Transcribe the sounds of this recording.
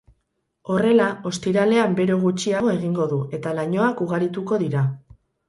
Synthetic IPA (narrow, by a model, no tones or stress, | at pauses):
o̞re̞lao̞st̪iɾale̞ambe̞ɾo̞ɣ̞ut͡ʃiaɣo̞e̞ɣiŋɡo̞ðue̞t̪alaɲo̞akuɣ̞aɾit̪uko̞ðiɾa